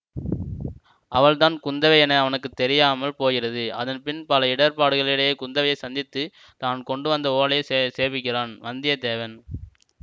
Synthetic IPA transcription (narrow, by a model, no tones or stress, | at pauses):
ʔɐʋɐɭt̪aːnkʊnd̪ɐʋɐɪɛnɐːʋɐnɯkːɯt̪ːɛɾɪjaːmɐlpoːɣɪrɐðɯɐ̰ðɐnpɪnpɐlɐɪɽɐɾpaːɽɯɣɐɭɪɽɐjekʊnd̪ɐʋɐjɐɪsɐnd̪ɪt̪ːɯ | t̪aːnkɔɳɖɯʋɐnd̪ɐoːlɐjɐseːʋɪkːɪraːnʋɐnd̪ɪjɐd̪eːʋɐn